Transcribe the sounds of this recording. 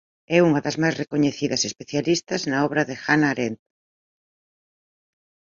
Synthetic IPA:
ɛuŋɐðɐzmajzrekoɲeθiðɐsespeθjalist̪ɐznɐɔβɾɐðɪxanaːɾent̪

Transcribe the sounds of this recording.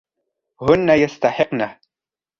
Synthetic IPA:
hʊnːajast̪aħɪqna

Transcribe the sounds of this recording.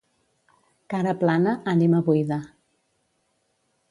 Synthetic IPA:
kaɾəplanəːniməβujða

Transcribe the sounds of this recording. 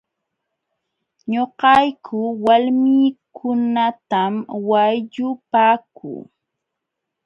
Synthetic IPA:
ɲoqɑjkʰʊwalmiːkʰʊnat̪amwajʎʊpaːkṵː

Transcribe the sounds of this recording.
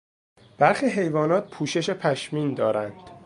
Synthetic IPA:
b̥æɾxiːɦe̞jvɒːnɒːt̪̚pʰuːʃe̞ʃe̞pʰæʃmiːnd̪ɒːɾænd̪̥

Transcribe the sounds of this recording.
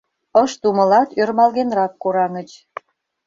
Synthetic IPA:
əʃt̪uməlɑt̪ørmɑlɣenrɑkːoɾɑŋət͡ɕ

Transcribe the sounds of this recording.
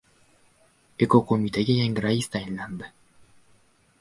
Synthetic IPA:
ekokomit̪eɡejeŋɡɾaist̪aenland̪ə

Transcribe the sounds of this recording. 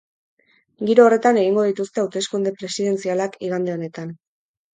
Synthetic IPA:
ɡiɾo̞ːre̞t̪ane̞ɣiŋɡo̞ð̞it̪ust̪e̞awt̪e̞skund̪e̞pɾe̞siðe̞nt͡sialakiɣand̪eo̞ne̞t̪an

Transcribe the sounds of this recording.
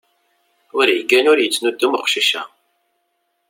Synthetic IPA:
ʊɾjəɡːænʊɾjət͡sːnud̪ːumχʷʃiʃæ̰

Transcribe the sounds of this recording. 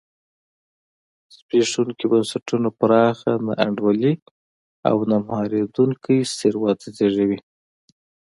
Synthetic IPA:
speʂuŋkibansaʈunapɾɑxana̰ʔaɳɖwali | a̰wnamhɑɾed̪uŋkʰəjseɾwɑt̪ʰazeʐawi

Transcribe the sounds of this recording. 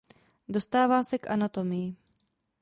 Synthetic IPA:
do̞st̪aːvaːsɛkʔa̰nat̪omɪjɪ

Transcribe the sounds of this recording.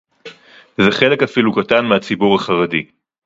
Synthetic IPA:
zeχe̞le̞kafilukatanmeat͡sibuʁaχaʁadi

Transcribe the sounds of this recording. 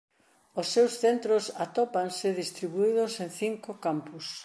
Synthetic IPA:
ʊsːewsθent̪ɾʊsat̪ɔpansɪðist̪ɾiβuið̞ʊsẽnθiŋkʊkampʊs

